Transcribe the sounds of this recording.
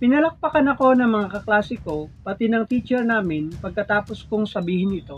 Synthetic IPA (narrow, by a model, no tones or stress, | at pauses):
pɪnɐlɐk̚pɐkɐnɐko̞nɐŋmɐŋakɐklaːsɪko̞pɐt̪ɛnɐŋt̪iːt͡ʃɛɹnaːmɪnpɐɡ̚kɐt̪aːpo̞skʊŋsɐbiːhɪnʔɪt̪o̞